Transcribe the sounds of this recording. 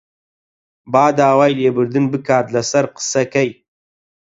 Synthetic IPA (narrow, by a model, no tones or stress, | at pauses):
baːd̪aːwaːjleːbɨɾd̪ɨnbɨkaːt̪lɐsɐɾqɨ̥sɐkɐj